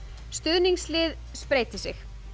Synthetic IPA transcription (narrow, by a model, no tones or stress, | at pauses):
st̪ʏðniŋslɪːð | spɾeːjt̪ɪsɪx